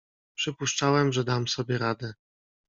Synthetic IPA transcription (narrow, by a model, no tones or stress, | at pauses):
pʂɘpuʂt͡ʂawɛmʐɛd̪amsɔbʲjɛɾad̪ɛ